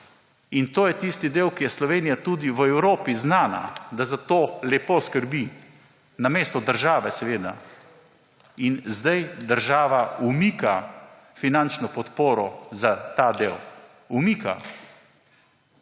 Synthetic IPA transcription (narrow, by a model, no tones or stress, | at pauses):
int̪oːjɛt̪ist̪id̪eːwkijɛslɔʋeːnijat̪ud̪iʋəɛwɾoːpiznaːna̰d̪azat̪oːlɛposkəɾbi | nameːst̪ɔd̪əɾʒaːʋɛsɛʋeːd̪a | inzd̪ajd̪əɾʒaːʋaumiːka | finant͡ʃnɔpɔt̪poːɾɔzat̪aːd̪eːw | umiːkʰa̰